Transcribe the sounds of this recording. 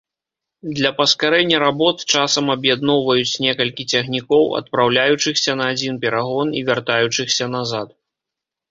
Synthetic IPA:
d̪lʲɐpɐskaɾɛnʲːɐɾabɔt̪t͡ʂasɐmɐbjad̪̚nɔwvɐjut͡sʲnʲɛkɐlʲkʲit͡sʲɐɣnʲikɔwɐ̰t̪̚pɾawlʲajut͡ʂɨxsʲɐnɐːd͡zʲinpʲɛɾaɣɔnivʲart̪ajut͡ʂɨxsʲɐnazat̪̚

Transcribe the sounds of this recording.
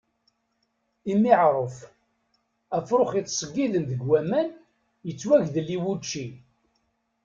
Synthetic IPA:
imiʕɾˤəf | æfɾʊχit̪ːˤsˤəɡːiðənðəɡwæmæn | jət͡sːwæʝðəlːiwut͡ʃːi

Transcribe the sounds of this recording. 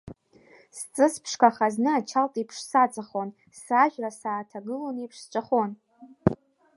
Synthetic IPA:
st͡sʼɨspʰʂkʰaχaznɨat͡ʃʰaltʼipʰʂsat͡sʼaχon | saʒᶣrasaːtʰaɡɨlonipʰʂst͡ʃʷʼaχon

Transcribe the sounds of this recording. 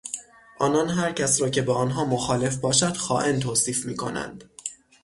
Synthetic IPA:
ʔɒːnɒːnɦæɾcʰæsɾɒːcʰe̞beɒːnɦɒːmoxɒːle̞fbɒːʃæd̪̥xɒːʔent̪ʰoːsiːfmiːkʰo̞̰næ̰nd̪̥

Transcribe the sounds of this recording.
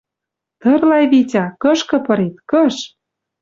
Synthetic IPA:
t̪ɤ̆rlɑjβitʲɑkɤ̆ʃkɤ̆pɤ̆ɾit̪̚kɤ̆ʃ

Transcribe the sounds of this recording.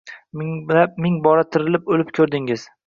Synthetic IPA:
mɪap̚mɪŋbɒɾat̪ʰɪɾɪlɪpolɪpkʲʰɵɾd̪ɪŋɪz̥

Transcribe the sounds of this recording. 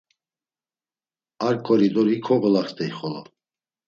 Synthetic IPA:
aɾkʼɔɾid̪ɔɾikʰɔɣɔlaχt̪ɛiχɔlɔ̰

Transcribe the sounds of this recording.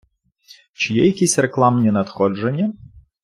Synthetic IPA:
t͡ʃɪjɛjɐkʲisʲreklˠamnʲinɐt̪xɔʐenʲːɐ

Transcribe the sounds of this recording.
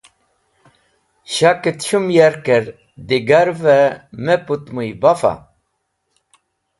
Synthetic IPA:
ɕaket̪ɕumjaɾkeɾ | d̪iɡaɾvɛmeput̪mujbafa̰

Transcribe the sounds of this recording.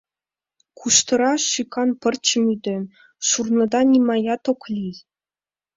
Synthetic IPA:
kʰuʂt̪ɤ̆ɾɑɕykʰɑnpɘ̆rʲt͡ɕɘ̆mʲyd̪ʲɘ̆ | ʂurnɤ̆d̪ɑnʲimɑjɑt̪oklʲij

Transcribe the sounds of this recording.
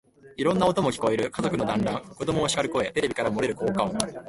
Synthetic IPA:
iɾõ̞nːao̞t̪o̞mo̞kʲi̥ko̞eɾɯ̟kazo̞kɯ̟no̞d̪ãnɾãŋko̞d̪omoːɕi̥kaɾɯ̟ko̞e̞t̪e̞ɾe̞bʲikaɾamo̞ɾe̞ɾɯ̟ko̞ːkãɰo

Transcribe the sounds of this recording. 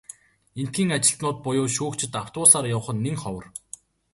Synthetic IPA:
en̥t̪ɡʲiːŋat͡ɕɪ̆ɬt̪nʊːt̪̚pʊjʊːʃuːkt͡ɕʰɪ̆t̪aw̥t̪ʊːsaːrjaw̆χə̆nːeŋχɔwə̆r

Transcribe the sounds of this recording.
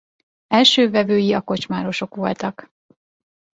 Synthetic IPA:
ɛlʃøːvɛvøːjiɒko̞t͡ʃmaːɾo̞ʃo̞kʋo̞lt̪ɒk

